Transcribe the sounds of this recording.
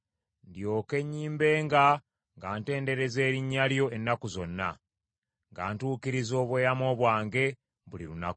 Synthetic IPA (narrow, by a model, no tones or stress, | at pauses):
ndjo̞ːke̞ɲːiːmbe̞ːŋɡa | ŋɡaːnte̞ːnde̞ɾe̞ze̞ːɾiɲːaljo̞e̞nːakuzo̞nːa̰ | ŋɡa̰ːntuːkiɾizo̞ːβweːjamo̞ːβwaːŋɡe̞ | βuliɾunaku